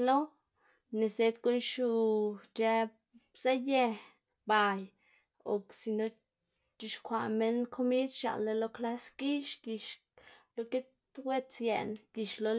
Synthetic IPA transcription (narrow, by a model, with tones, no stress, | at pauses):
lo˦ | ne˨se˧˦t̪ɡo˦nʃu˧t͡ʃe˧ | z̥a˦je˧ | ba˨j | o̰˨ksi˨no˧ | t͡ʃi˧ʃkʷa˧˨me˦nkʰo˦mi˦d̪ʃa̰˨lːe˧lo˧˦kla˦sɡ̥i˦ʃɡi˧ʃ | lo˧ke˦t̪ | wʷe˦t͡sje˨nɡ̥i˨ʃlo˧